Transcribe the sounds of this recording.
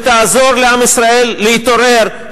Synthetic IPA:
t̪azo̞ɾleamisɾae̞lːiit̪o̞ɾe̞ɾ

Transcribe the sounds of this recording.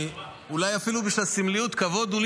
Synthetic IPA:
ulajafilubiʃlasimliut̪kavo̞d̪ul

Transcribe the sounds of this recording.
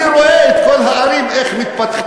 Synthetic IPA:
ɾoʔeet̪kolɦaaɾimeχmit̪̚pat̪χ

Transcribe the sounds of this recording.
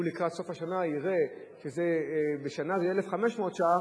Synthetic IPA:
ulikʁat̪so̞fhaʃanaiʁe | ʃezebeʃanazeelefχameʃmoot̪ʃaa

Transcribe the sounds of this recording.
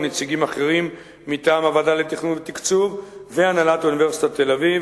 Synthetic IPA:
net͡siɡimaχe̞ʁimː | itaːmavadale̞t̪iχnunvet̪ikt͡suvveanalat̪unive̞ʁsi̥t̪at̪e̞laviv

